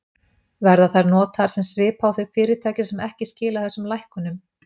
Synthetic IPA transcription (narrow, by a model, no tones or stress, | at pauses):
vɛɾðaθajɾnɔːt̪aɾ̥sɛmsvɪːpʰawθœɥfɪːɾɪt̪ʰaːjcɪ̥sɛmɛhcɪscɪːlaθɛsʏmlajhkʏnʏm